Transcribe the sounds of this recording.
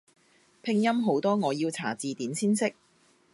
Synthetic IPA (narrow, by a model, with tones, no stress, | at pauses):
pʰɪ˧ŋjɐ˥mɦo˨˥wt̪ɔː˥ŋɔː˨˧jiː˧wt͡sʰa̰ː˨˩t͡siː˨t̪iː˨˥nsʰiː˥nsɪ˥k̚